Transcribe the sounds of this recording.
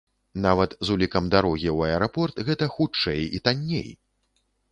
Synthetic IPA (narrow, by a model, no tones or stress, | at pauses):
navɐt̪zulʲikɐmd̪aɾɔɣʲiwɐɛɾapɔrt̪ɣɛt̪ɐxut͡ʂɛjit̪anʲːḛj